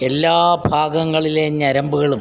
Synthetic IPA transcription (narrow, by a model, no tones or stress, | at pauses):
e̞lːaːbʱaːɡɐŋːɐɭile̞ɲɐɾɐmbuɣɐɭum